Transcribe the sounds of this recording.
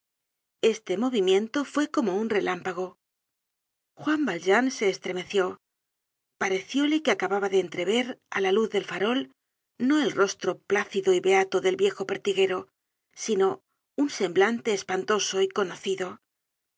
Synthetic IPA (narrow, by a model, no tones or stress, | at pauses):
e̞st̪emo̞βimjẽ̞nt̪o̞fwe̞ko̞mo̞unre̞lampaɣ̞o̞ | xwambalʒanse̞ːst̪ɾe̞me̞θjo̞ | paɾe̞θjo̞lekeakaβaβaðeːnt̪ɾe̞β̞e̞ɾa̰laluððe̞lfaɾo̞l | no̞e̞lro̞st̪ɾo̞plaθiðo̞iβe̞at̪oðe̞lβje̞xo̞peɾt̪iɣe̞ɾo̞ | sino̞ | unse̞mblant̪e̞ːspant̪o̞so̞iko̞no̞θiðo̞